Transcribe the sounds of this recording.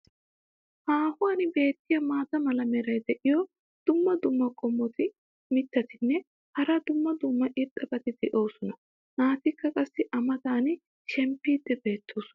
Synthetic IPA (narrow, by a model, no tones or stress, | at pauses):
haːhʊɐnɪbe̞ːt̪ːɪjɐmaːt̪ɐmɐlɐmɛɾɐjd̪ɛʔɪjɔ | d̪̥ʊmːɐd̪ʊmːɐkʼɔmːɔt̪ɪ | mɪt̪ːɐt̪ɪnːɛ | hɐɾɐd̪ʊmːɐd̪ʊmːɐʔɪɾt̪ʼːɐbɐt̪ɪd̪ɛʔo̞ːsɔnɐ | naːt̪ɪkːɐkʼɐsːɪʔɐmɐd̪aːn | ʃɛmpːiːd̪ːɛbe̞ːt̪ːoːsɔ̥n